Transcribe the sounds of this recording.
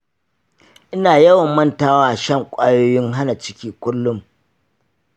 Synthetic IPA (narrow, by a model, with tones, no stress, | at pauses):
ʔɪ˦naː˨jɐ˦wɐ˨mːɐ˦ntaː˦waː˦˨ʃɐ˦˨ŋkʷʼaː˦joː˦jɪ˦ŋɦa˦na˨t͡ʃɪ̥˦kʲiː˦kʷʊ˦lːʊ˦m